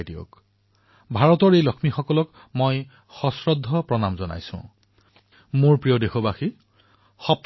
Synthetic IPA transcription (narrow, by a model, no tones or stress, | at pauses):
dio̰k | bʱaɹɔtɔɹejlɔkʰmixɔkɔlɔk | moj | xɔsɹɔd̪ʱːɔpɹɔnamzɔna̰jsʊ̰̃ | moɹpɹijɔdexobaxi | xɔp̚